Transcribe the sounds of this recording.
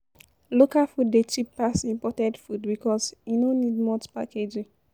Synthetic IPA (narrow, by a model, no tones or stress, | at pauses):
lokafuddet͡ʃipːasĩmpɔtɛdfudbikɔsjinonidmɔtpa̰ked͡ʒi